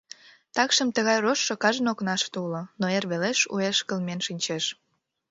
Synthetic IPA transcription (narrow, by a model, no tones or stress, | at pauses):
t̪ɑkʃəmt̪əɣɑjroʃːokɑʒənoknɑʃt̪ulonoerβeleʃṵeʃkəlmenʃinʲt͡ɕeʃ